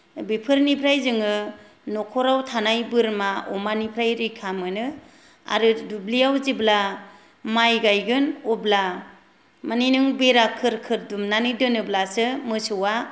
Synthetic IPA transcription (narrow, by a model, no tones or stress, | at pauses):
bipʰɯɾnipʰɾajzɯŋɯ | nɔkʰɔɾawtʰanajbɯɾmaɔmanipʰɾajɾikʰamɯnɯ | a̰ɾɯdublijawzibla | majɡajɡɯnɔbla | maninɯŋbeɾakʰɯɾkʰɯɾdumnanɯdɯnɯblasɯmɯsɯwa